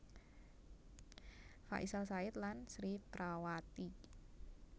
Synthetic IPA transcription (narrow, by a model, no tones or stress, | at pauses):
fa̰ʔisalsaɪt̪lansɾipɾawat̪i